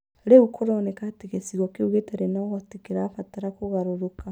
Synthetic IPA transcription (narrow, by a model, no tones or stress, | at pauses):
ɾeukʰɔɾɔnɛkateɣesiɣwɔkeuɣetɛɾenaɣɔtekeɾaːfataɾakoɣaɾoɾoka